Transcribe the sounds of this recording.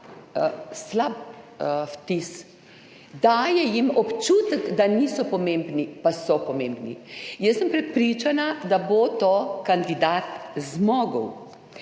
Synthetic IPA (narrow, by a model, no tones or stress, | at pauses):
slap | ft̪is | d̪aːjɛjimɔpt͡ʃuːt̪əɡd̪aniːsɔpɔmembnipasɔpɔmembnḭjəsːəmpɾɛpɾiːt͡ʃanad̪abot̪okand̪id̪aːt̪zmɔːɡəw